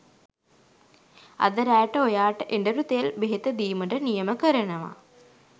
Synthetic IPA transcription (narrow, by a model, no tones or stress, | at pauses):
ɐ̰d̪əɾæːjʈəojaːʈəʔeɳɖəɾut̪ejelbeɦit̪əd̪iːməʈənijɐməkəɾɐnɐʋa̰